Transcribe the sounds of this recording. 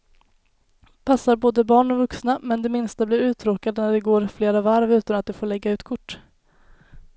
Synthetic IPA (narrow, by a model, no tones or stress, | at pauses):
pʰasːaɾboːd̪əbɑːɳɔvɵksnamɛnd̪ɛmɪnst̪abliɾʉ̟ːt̪ʰɾoːkad̪ənæɖɛɡoːɾfleːɾavaɾvʉ̟ːt̪anat̪̚d̪ɛfoːɭɛɡːaʉ̟ːt̪kʰʊʈː